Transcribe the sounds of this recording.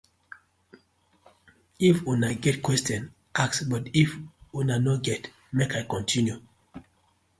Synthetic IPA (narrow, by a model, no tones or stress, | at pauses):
ifunaɡɛtkwɛstjɔ̃n | ʔaksbɔtifunanɔɡɛt | mekajkɔ̃ntʰĩnju